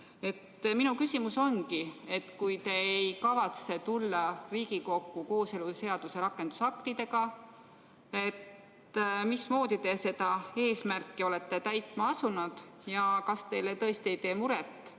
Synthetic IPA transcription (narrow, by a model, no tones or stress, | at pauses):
e̞t̪ːminukysʲimuso̞nɡie̞t̪kujt̪e̞ejkɑvɑt̪se̞t̪ulːɑriːɡiko̞kːuko̞ːse̞luse̞ɑd̪̥use̞ɾɑkːˑe̞nd̪̥usɑkt̪id̪e̞ɡɑ | e̞t̪ː | mismo̞ːd̪̥it̪e̞se̞d̪̥ɑe̞ːsmærkːˑio̞le̞t̪ːe̞t̪æjt̪ˑmɑɑsunud̪̥ | jɑkɑst̪e̞jlet̪ɤ̞est̪ie̞jt̪e̞ːmuɾet̪ːˑ